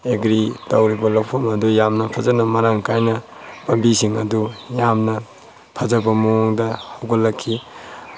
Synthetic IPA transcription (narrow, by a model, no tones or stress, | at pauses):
eɡɾitawɾibɐlawpʰomɐdujamnɐpʰɐzɐnɐmɐɾaŋkajnɐ | pɐmbisiŋɐdujamnɐ | pʰɐzɐbɐmoŋdɐhawɡɐlːɐkʰːi